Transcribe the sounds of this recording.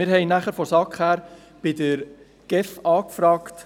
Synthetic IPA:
ɪːɾhɛɪnæχəɾfɔsɑkχhæːɾ | b̥ɪdəɾ | ɡ̥ɛfɑːkfɾɑːkt

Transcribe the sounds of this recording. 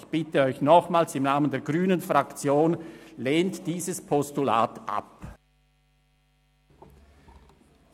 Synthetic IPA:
çb̥ɪtəɔʏçnɔχmaːlsɪmnaːməndeːɐɡʁyːnənfʁakt͡sjoːnleːntd̥iːzəspʰɔstula̰ːtʔa̰p

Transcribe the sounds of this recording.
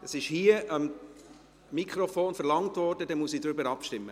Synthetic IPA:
əsɪʃhiəʔɑm | mikʰχɾɔfoːnfɛɾlɑŋtvɔːɾd̥ədɛmuəsid̥̪ɾʏbəɾɑpʃtɪmːə

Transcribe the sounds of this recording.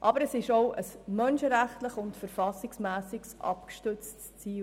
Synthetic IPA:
ʔɑbəɾəsɪʃɔʊʔəsmœnʃəɾæχtləχʊntfəɾfɑsɪksmæːsɪksʔɑ̰pkʃtʏt͡stst͡siːl

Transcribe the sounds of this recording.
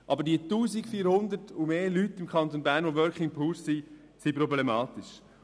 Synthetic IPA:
ʔɑbəɾdiətuːzikfiːɾhʊnd̪ətumeːlytɪmkʰɑnt̪onbæːɾnʋoʋœɾkχɪŋpʰulsi | sipɾɔblemɑːt̪ɪʃ

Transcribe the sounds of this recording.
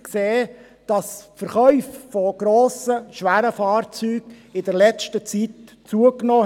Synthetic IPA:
kseː | d̥ɑsfəɾχœʏffɔɡ̥ɾoːsəʃʋæːɾəfɑːrt͡syːɡ | ɪdəɾlɛt͡ʃtət͡sit | t͡suəknɔː

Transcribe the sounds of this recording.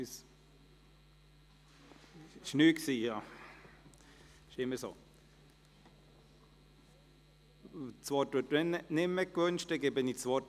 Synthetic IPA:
s | ɪʃnyːksiːjɑː | ɪʃɪmːəso̰ː | t͡sʋɔtʋɪtɛnnɪmːəkʋønʃtɛɡɛbɪnit͡sʋɔt

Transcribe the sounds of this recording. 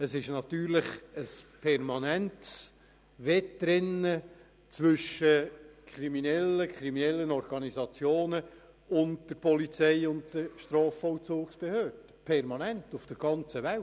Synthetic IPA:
əsɪʃnɑt̪yːɾlɪχəspʰɛrmɑnænts | ʋɛtːɾɪnːə | t͡sʋʏʃəkʰɾiminɛlːəkʰχɾiminɛlːənɔɾɡ̥ɑnizɑt͡sjoːnə | ʊnt̚d̥əɾpʰɔlit͡sɛɪʊnttəɾʃtrɑːfɔlt͡suːksb̥ehøːd̥əpʰɛɾmɑnɛntufd̥əɾɡ̥ɑnt͡səʋæ

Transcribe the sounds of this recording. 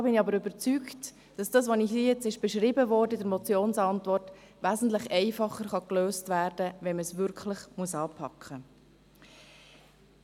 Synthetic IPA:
dbɪniɑbəɾʏbəɾt͡sykt | d̥ɑsd̥ɑːsʋɔniçdijɛt͡sɪʃb̥ɛʃɾɪbəvɔɾdədəɾmɔt͡sjoːnsɑntʋɔrt | ʋæːsn̩tləχɛɪfɑχːəɾχɑkløːstvæːɾd̥əʋɛnməsʋʏɾkχləχmuəsɑːpʰɑkχə

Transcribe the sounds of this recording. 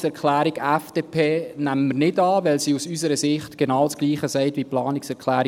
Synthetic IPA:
sɛɾkχlæːɾiɡæfd̥eːpʰeːnæməməɾnɪdɑːʋɛlsiːusysəɾəsɪχtɡ̥enɑːwt͡sɡ̥liːχəsɛɪtʋiplɑːnɪksɛɾkχlæːɾi

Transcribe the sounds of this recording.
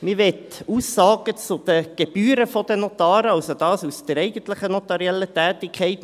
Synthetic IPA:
mɪʋɛt̪uːsːɑːɡ̥ət͡sʊd̪̥əɡ̥eb̥yːɾəfɔd̥̪ənot̪ɑːɾəɑlsod̥ɑːsusd̥əɾɛɪɡən̩tləχənɔtɑɾiɛlːətɛːtɪkʰχɛɪt

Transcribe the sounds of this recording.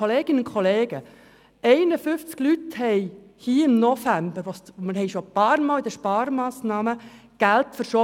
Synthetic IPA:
oleːɡ̥ɪnəʊnkʰoleːɡə | ɛɪnəfʏft͡sklythɛɪ | hiːɪmnɔfæmbəɾʋosməɦɛɪʃopɑːɾmɑːlid̪əʃpɑːɾmɑːsnɑːmə | ɡ̥æltfəɾʃo

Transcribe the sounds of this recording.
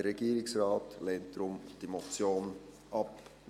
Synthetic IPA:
əːɛɡ̥iːɾɪksrɑːtleːnt̚d̪̥ɾʊmd̥imot͡sjoːn | ʔɑp

